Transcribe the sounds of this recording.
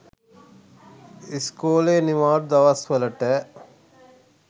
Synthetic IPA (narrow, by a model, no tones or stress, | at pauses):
iskoːleːnimaːɾ̚d̪ɐʋɐsʋəlɐʈɛː